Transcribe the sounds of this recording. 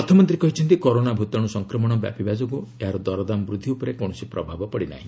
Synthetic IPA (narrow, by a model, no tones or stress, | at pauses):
ɔt̪ʰɔmɔnt̪ɾikɔɦit͡ʃʰɔnt̪ikoɾonabʱut̪ɔɽ̃usɔŋkɾɔmɔɽ̃ɔbja̰pibad͡ʒɔɡueɦaɾɔd̪ɔɾɔd̪amɔbɾud̪ʱːiupɔɾekõɔsipɾɔbʱabɔpɔɽina̰ɦĩ